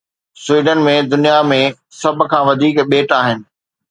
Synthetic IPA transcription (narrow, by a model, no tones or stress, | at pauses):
sʊwiːɖənmẽd̪ʊnijamẽ | sɐb̆ʱkʰãːʋɐd̪ʱiːkɓeːʈaːɦɪnɪ̆